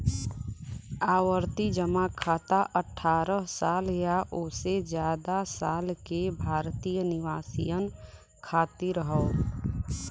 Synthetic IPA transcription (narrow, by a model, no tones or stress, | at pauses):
aːwəɾt̪id͡ʒəmakʰaːt̪aʔəʈʰːaːɾəɦsaːljaʔoːsed͡ʒjaːd̪asaːlkebʱaːɾt̪ijənɪʋaːsḭjən | kʰaːt̪iɾəɦəo